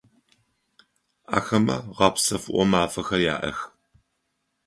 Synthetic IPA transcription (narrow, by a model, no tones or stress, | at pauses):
a̰ːxɐmɐ̰ʁɐpsɐfʔʷɔmaːfɐxɐja̰ːʔɐ̰x